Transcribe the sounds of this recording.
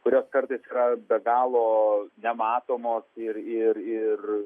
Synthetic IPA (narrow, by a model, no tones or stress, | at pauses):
kʊɾʲoːskɐrt̪ɐɪsiːɾɐbʲɛɡɑːlˠoːnʲɛmɑːt̪oːmoːsɪɾɪɾɪr